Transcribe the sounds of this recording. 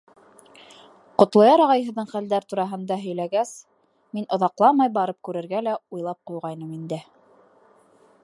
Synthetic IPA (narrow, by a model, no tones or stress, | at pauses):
qŏt̪lˠɑjɑɾɑʁɑjɦɤ̆ðːɤɴχæld̪æɾt̪uɾɑɦɤ̆nd̪ɑɦɵ̆jlæɡæs | minʔŏðɑqlˠɑmɑjbɑɾɤp̚kʉɾɘ̆ɾɡælæujlˠɑp̚qujʁɑjnɤmind̪ɘ